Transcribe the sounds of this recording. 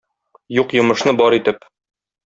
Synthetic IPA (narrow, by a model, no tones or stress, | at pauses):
juqjŏmɤ̆ʃnɤbɒɾit̪ɘp